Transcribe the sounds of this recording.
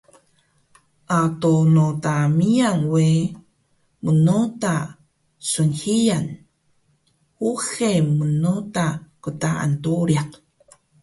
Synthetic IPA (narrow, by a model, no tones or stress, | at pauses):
ʔatonotamiaŋwe | mənota | sənhijan | huxemənotakətaʔa̰ntoɾjaq